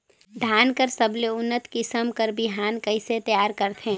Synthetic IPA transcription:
d̪ʱaːnkəɾsəbleʊnːət̪kisəmkəɾbɪɦaːnkəɪset̪əjaːɾkəɾt̪ʰẽː

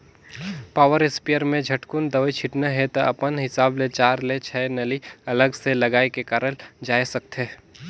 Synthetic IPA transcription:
paːʋəɾɪspijəɾmẽd͡ʒʱɐʈkund̪ɐʋit͡ʃʰɪʈnaɦɛt̪oɐpənɦɪsaːblet͡ʃaːɾlet͡ʃʰɛːnɐliɐləɡselɐɡaːekekaːɾəld͡ʒaːesɐk̚t̪ʰe

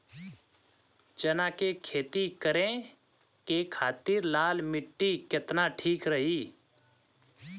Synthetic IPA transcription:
d͡ʒənaːkekʰeːt̪ikəɾẽ | kekʰaːt̪ɪɾlaːlmɪʈːikɪt̪naʈʰiːkɾəɦiː

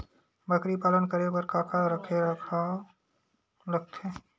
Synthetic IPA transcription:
bɐkɾipaːlənkəɾepɐɾkaːkʰaɾɐkʰea | ɾɐɡ̚t̪ʰeː

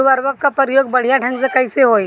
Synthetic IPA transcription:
ʋɐɾʋəkkapɾjoːɡbɐɽ̤ijaʈʰɐ̃ŋɡsekɐɪseɦoːi

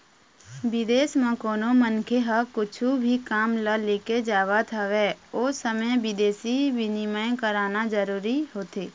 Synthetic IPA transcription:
bɪd̪eːsmãkoːnomənkʰeɦəkʊt͡ʃʰubʱikaːmləleːked͡ʒaːʋat̪ʰaʋɛoːsəməẽbɪd̪eːsibɪnɪmaj̃kəɾaːnad͡ʒəɾuːɾiɦoːt̪eː

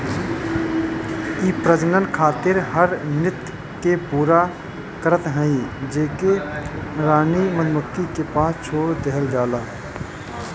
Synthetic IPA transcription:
iːpɾəd͡ʒnənkʰaːt̪ɪɾɦəɾnɪt̪ | kepuːɾa | kəɾət̪ɦɛ̃ĩd͡ʒeːke | ɾaːnimənmʊk̚t̪ikepaːst͡ʃʰoːɽd̪eɦəld͡ʒaːlaː

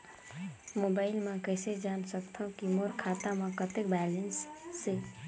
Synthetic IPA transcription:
mobaɪlmãkəsed͡ʒansəkt̪ʰɦũkimoɾkʰat̪amãkət̪ek̚bɛlənsːe

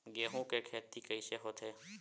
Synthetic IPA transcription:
ɡeːɦõkekʰeːt̪ikəɪʃeɦoːt̪ɦeː

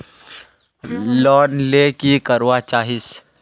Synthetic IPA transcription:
lɔːnlekikəɾʋat͡ʃaːɦɪs

